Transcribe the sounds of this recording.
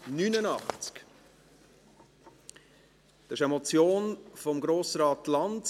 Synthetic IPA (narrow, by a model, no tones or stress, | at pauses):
nynənɑχt͡sk | d̥ɑʃəmɔt͡sjoːnfɔmɡɾoːsɾɑːtlɑnd